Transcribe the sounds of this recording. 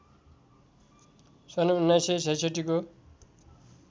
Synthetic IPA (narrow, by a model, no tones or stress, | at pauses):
sʌnounːajsesʌjseʈiko